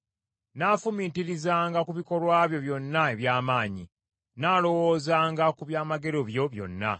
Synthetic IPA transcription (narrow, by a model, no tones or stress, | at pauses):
naːfumiːtiɾizaːŋɡakuβiko̞lwaːβjo̞βjo̞nːae̞βjaːmaːɲḭ | naːlo̞wo̞ːzaːŋɡakuβjaːmaɡe̞ɾo̞βjo̞βjo̞̰nːa̰